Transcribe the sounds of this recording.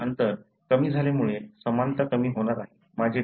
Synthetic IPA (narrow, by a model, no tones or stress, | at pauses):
ənt̪əɾ | kəmiːd͡zʱaljamuɭesəmant̪əkəmiːɦoɽ̃aɾaɦe | mad͡ʑʱe